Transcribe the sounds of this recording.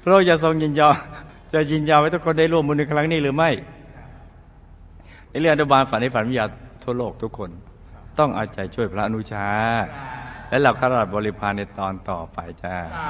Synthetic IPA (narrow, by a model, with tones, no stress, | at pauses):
pʰɾɔː˦˥˩ja˨˩s̬o˧ŋji˧njɔː˧ | t͡ɕa˨˩ji˧nja˧wa˦˥jt̪ʰu˥kʰːnda˥˩jlu˥˩əmːu˧n˧kʰɾa˦˥ŋniː˥˩lɯː˨˦ma˥˩j | na˧˩li˧˩˨a˧t̪ʰːbaː˧nfa˨˦nha˥˩fa˨˦nmi˧jaː˧t̪ʰu˥˩əloː˥˩k̚t̪ʰu˦˥kʰːo˧n | t̪ɔ˥˩ŋʔa̰ː˨˧˩t͡ɕa˨˩jt͡ɕʰu˥˩əjpʰɾa˦˥ʔa˧nu˦˥t͡ɕʰaː˦˥ | lɛ˦˥la˧˩wkʰaː˥˩ɾa˧da˨˩p̚bɔː˧li˦˥pʰaː˧nːa˧jt̪ɔː˧nt̪ɔ̰ː˨˩pa˧˩jt͡ɕa˧˩